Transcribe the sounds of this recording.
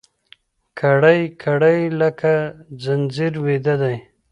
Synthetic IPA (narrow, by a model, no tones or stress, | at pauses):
kʰaɽajkʰaɽajlakʰad͡zanziɾwed̪ad̪aj